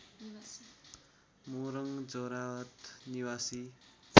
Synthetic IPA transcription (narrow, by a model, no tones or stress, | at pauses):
moɾʌŋd͡zʌɾawʌt̪niwasi